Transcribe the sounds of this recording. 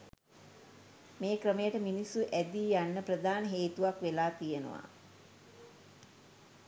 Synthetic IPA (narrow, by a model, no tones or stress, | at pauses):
meːkrəməjəʈəminisːuʔæd̪ijanːəprəd̪ʱaːnəɦeːt̪uʋakʋelaːt̪ijənə̰ʋa̰